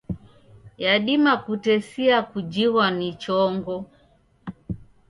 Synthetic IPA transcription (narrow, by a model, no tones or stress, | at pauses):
jaɗimakutɛsiakud͡ʒiwanit͡ʃɔŋɡɔ